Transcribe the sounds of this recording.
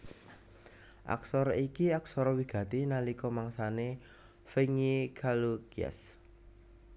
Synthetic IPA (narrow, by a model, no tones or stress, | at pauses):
ʔa̰ksɔɾɔikiaksɔɾɔwiɡ̥ä̤t̪inalikɔmaŋsane | feŋikʰalukia̰s